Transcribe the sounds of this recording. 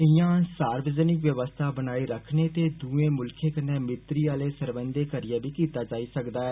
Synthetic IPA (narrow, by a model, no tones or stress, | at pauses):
ɪjãːsaːɾbəd͡ʒənɪkʋjəʋəst̪ʰaːbənaːiɾəkʰneːt̪eːd̪uːẽːmʊlkʰeːkəneːmɪt̪ɾiːaːleːsəɾbə̃nd̪eːkəɾɪjaːbiːkiːt̪aːd͡ʒaːiːsəkd̪aːɛː